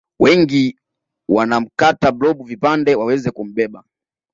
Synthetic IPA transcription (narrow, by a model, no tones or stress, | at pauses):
wɛŋɡi | wanam̩katablɔɓuvipandɛwawɛzɛkum̩ɓɛɓa